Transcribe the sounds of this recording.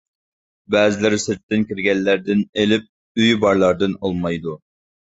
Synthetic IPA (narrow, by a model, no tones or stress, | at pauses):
bɛːzɪlɪɾɪsɪɾt̪ːɪnkʲiɾɡʲɛnːæɾd̪ɪnelɪp̚ | yjbɑɾlˠɑɾd̪ɨnolˠmɑjd̪u